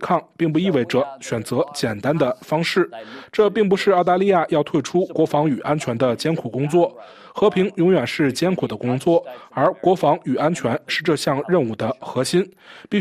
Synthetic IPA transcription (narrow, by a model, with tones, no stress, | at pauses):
kʰɑ˥˩ŋpi˥˧ŋp̬u˥˧i˥˧we˥˩ɪʈ͡ʂɤ˧˩ɕɥɛ˨˩nt͡sɤ˧˥t͡ɕjɛ˨˩nt̪a˥nd̪ə˨fɑ˥ŋʂɻ̩˥˩ʈ͡ʂɤ˥˧p̬i˥˩ŋp̬u˧˥ʂɻ̩˥˧ɑ˥˧ʊt̪a˥˧li˥˧ja˥˧jɑ˥˧ʊt̪ʰwe˥˩ɪʈ͡ʂʰu˥kwɔ˧˥fɑ˧˥ŋy˨˩ʔa˥nt͡ɕʰɥɛ˧˥nd̪ə˧t͡ɕjɛ˥nkʰu˨˩kʊ˥ŋt͡swɔ˥˩ | xɤ˧˥pʰi˧˥ŋjʊ˧˥ŋɥɛ˨˩nʂɻ̩˥˩t͡ɕjɛ˥nkʰu˨˩d̪ə˦kʊ˥ŋt͡swɔ˥˩ə˞˧˥kwɔ˧˥fɑ˧˥ŋy˨˩a˥nt͡ɕʰɥɛ˧˥nʂɻ̩˥˧ʈ͡ʂɤ˥˧ɕjɑ˥˧ŋɻə˥˧nu˥˩d̪ə˦xɤ˧˥ɕi˥npi˥˩